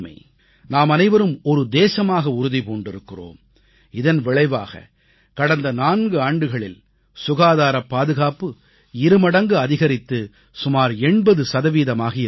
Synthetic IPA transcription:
mɐ̰ɪ | naːmɐnɐɪʋɐɾɯmɔɾɯd̪eːsɐmaːɣɐʊɾʊðipoːɳɖɪɾɯkːɪro̰ːm | ɪðɐnʋɪɭɐɪʋa̰ːɣɐ̰ | kɐɽɐnd̪ɐnaːnɡɯaːɳɖɯɣɐɭɪl | sʊɣaːðaːɾɐpːaːðɯɣaːpɯ | ɪɾɯmɐɽɐŋɡɯɐðɪɣɐɾɪt̪ːɯ | sʊmaːɾɛɳbɐðɯsɐðɐʋiːðɐmaːɣɐɪ

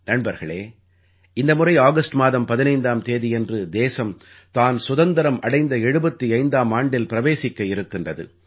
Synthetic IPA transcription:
nɐɳbɐɾɣɐɭeː | ɪnd̪ɐmʊrɐɪaːɣɐsʈmaːðɐmpɐðɪnɐɪnd̪aːmt̪eːðɪjɛndrɯd̪eːsɐm | t̪aːnsʊðɐnd̪ɐɾɐmʔɐɽɐɪnd̪ɐɛɻɯbɐt̪ːiɐɪnd̪aːmaːɳɖɪlpɪɾɐʋeːsɪkːɐɪɾɯkːɪndrɐðɯ̰

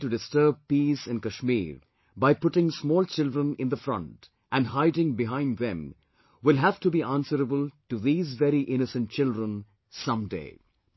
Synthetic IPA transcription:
ʈuɖɪstəɾb̚piːsɪ̃nkəʃmḭːɾ | baɪpʊʈɪ̃ŋsmɔːlt͡ʃɪldɾə̃nɪ̃nd̪əfɾʌ̰̃nt | ʔæ̃nɦaɪɖɪ̃ŋbɪɦãɪ̃nd̪ðɛ̰̃m | wɪlɦæv̥ʈubiʔæ̃nsəɾəbəlʈuðiːzvɛɾiʔɪnɨsə̃nt̚t͡ʃɪldɾə̃n | sʌ̃mdḛɪ

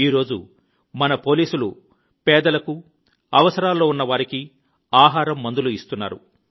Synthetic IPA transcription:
iːɾo̞ːd͡ʒṵ | mɐnɐpo̞ːliːsulu | pɛːd̪ɐlɐku | ɐʋɐsɐɾaːlːo̞ːunːɐʋaːɾiki | aːɦaːɾɐmːɐnd̪uluist̪unːa̰ːɾṵ

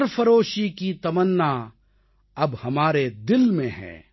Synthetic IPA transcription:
ɾfɐɾoːʃikit̪ɐmənːa | ɐbhɐmaːɾed̪ɪlmẽɦɛ̰̃ː

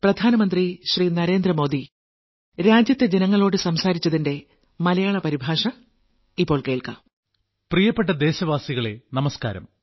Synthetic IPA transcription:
prɐd̪ʱaːnɐmɐnd̪riɕriːnɐɾe̞ːnd̪rɐmo̞ːd̪i | ɾaːd͡ʑjɐt̪ːed͡ʑe̞nɐŋːɐɭo̞ːɽɨsɐmsaːɾit͡ɕːɐðinde̞ | mɐlɐjaːɭɐpɐɾibʱaːʂɐ | ipːo̞ːɭke̞ːɭkɐ̰ | prijɐpːeʈ̬ːɐd̪e̞ːɕɐʋaːsiɣɐɭe̞nɐmɐska̰ːɾɐ̰m

